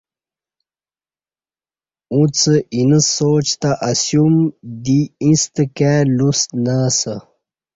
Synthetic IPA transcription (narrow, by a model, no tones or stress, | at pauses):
ũt͡səʔinəsoːt͡ɕt̪aʔasjumd̪iĩst̪əkalusnasə